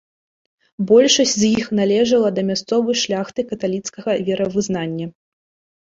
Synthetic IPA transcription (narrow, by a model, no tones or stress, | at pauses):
bɔlʲʂɐsʲzjixnalʲɛʐɐlˠɐd̪ɐmʲast̪sɔvɐjʂlʲaxt̪ɨkɐt̪alʲit̪skɐɣɐvʲɛɾɐvɨzn̪anʲːɐ